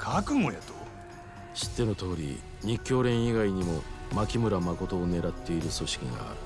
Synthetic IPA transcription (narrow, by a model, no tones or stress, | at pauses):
kʰakɯmojat̪o̥ | ɕi̥t̪ːe̞not̪o̞ːɾʲḭ | ɲ̟ikʲːo̞ːɾẽ̞ɰ̃iɡaiɲ̟imo̞makʲimɯ̟ɾamako̞t̪o̞ːne̞ɾat̪ːe̞iɾɯ̟so̞ɕi̥kʲiɡa̰ːɾɯ̟